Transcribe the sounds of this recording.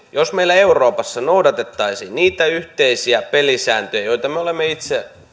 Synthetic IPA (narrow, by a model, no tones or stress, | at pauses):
josmeilːæeuroːpɑsːɑnoudɑt̪et̪ːɑisiːnniːt̪æyht̪eisiæpelisæːnt̪øjæjoit̪ɑmeolemːeit̪se